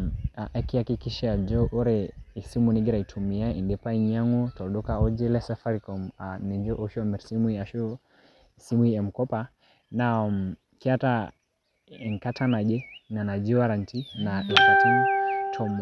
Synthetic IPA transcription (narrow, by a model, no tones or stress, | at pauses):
aʔakiakikiʃad͡ʒɔʔɔɾɛisimunɛɡɛɾaitʰumiaindɛpaiɲaŋɔtɔɗɔkaɔd͡ʒɛlɛsafaɾikɔmanɛɲd͡ʒɔʔɔʃuamɛɾsimwiaʃɔ | simuiɛm̩kɔpa | nam | kiata | ɛŋkatʰanad͡ʒɛnanad͡ʒiwaɾantinaʔɛkatantʰɔm